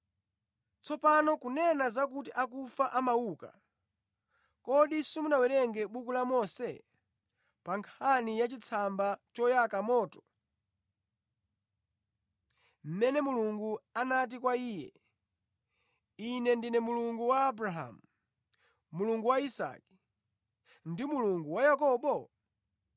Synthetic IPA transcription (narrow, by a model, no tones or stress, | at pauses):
t͡sʰɔpanɔkunɛnazak̬utiʔakufaʔamawuːka̰ | kɔɗisimunawɛɾɛŋɡɛɓukulamɔsɛ̰ | paŋkʰanijat͡ʃit͡sʰambat͡ʃɔjakamɔːtɔ̥ | m̩mɛnɛmuluŋɡuanat̬ikwaiːjɛ̰ | inɛndinɛmuluŋɡuwaːbɾaɦa̰mu | muluŋɡuwaisa̰ki̥ | ndimuluŋɡuwajakɔɓɔ